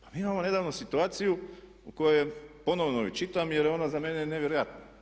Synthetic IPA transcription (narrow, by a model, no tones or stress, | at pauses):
pamiːimamo̞ne̞d̪aʋnusit̪uaːt̪siju | uko̞jojepo̞no̞ʋnoḭt͡ʃit̪amjeɾjeo̞nazameneneʋjeɾojat̪na